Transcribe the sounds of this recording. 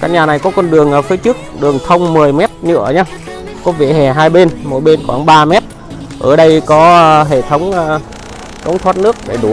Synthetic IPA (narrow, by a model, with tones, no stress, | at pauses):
kaː˦˥k̚ɲaː˨˩na˨˩jkɔ˨˦kɔ˧nɗɨ˨˩əŋʔəː˨˩fi˨˦jt͡ɕɨ˦˥k̚ɗɨ˨˩əŋt̪ʰə˧wŋ͡mmɨ˨˩əjmɛ˦˥t̚ɲɨ̰˧˥əɲaː˧ | kɔ˨˦vḛ˧˨hɛ˨˩ɦaː˧jɓe˧nmo̰˧˩ɓe˧nxwaː˧˩ŋɓaː˧mɛ˦˥t̚ | ʔəː˧˩ɗə˧jkɔ˨˦˧ɦḛ˧˩t̪ʰə˨˦wŋ͡mə˨˧˩ | kə̰˧˦wŋ͡mt̪ʰwaː˦˧˥t̚nɨ˦˥ək̚ɗe˧˩ɗu˨˩˦